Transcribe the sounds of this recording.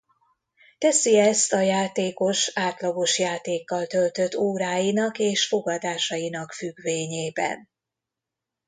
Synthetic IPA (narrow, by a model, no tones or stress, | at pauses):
t̪ɛsiɛst̪ɒjaːt̪eːko̞ʃaːt̪lɒɡo̞ʃjaːt̪eːkːɒlt̪ølt̪øt̪ːoːɾaːjinɒkeːʃfo̞ɡɒd̪aːʃɒjinɒkfyɡʋeːɲeːbɛ̰n